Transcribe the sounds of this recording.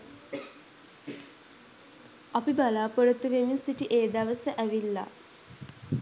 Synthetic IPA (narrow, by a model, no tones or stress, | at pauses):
apibalaːpoɾət̪əʋeminsiʈiʔeːd̪aʋəsəʔæʋilːa̰